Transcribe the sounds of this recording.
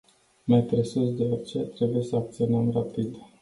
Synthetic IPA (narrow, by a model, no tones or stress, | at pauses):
majt̪ɾesut̪d̪eort͡ʃet̪ɾe̞buje̞səak̚t̪sionəmrapid̪